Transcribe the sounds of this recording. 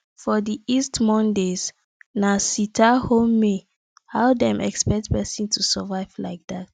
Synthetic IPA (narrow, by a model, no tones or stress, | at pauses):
fɔdiistmɔ̃ndez | nasitʰahomːe | haʊdɛ̃mʔɛ̰kspɛk̚tpɛsĩntʰusavaɪvlaɪk̚dat̚